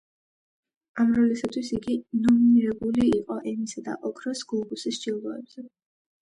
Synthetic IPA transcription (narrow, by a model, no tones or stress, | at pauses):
amɾɔlisat̪ʰwisiɡinɔminiɾɛbuliːqʼɔʔɛmisad̪a̰ʔɔkʰʼɾɔsɡ̥lˠɔbusisʃd͡ʒilˠɔɛ̰bz̥ɛ